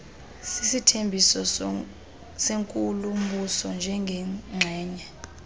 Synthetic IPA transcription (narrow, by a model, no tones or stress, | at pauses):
sisitʰembʱisɔ | seŋkʼulum̩ɓusɔnd͡ʒʱɛŋɡʱɛŋ͡ǁʱɛːɲɛ